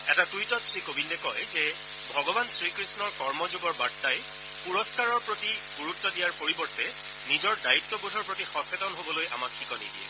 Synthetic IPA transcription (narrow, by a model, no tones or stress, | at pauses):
ɛtatujtɔtsɹikobʱindɛkɔjzɛ | bʱɔɡɔbansɹikɹisnɔɹkɔɹmɔzuɡɔɹbatːaj | puɹɔskaɹɔɹpɹotiɡuɹutːɔdijaɹpoɹibɔɹtɛ | nizɔɹdaitːɔbudʱɔɹpɹotixɔsetɔnɦobɔlojʔa̰makʰːikɔnḭdiɛ̰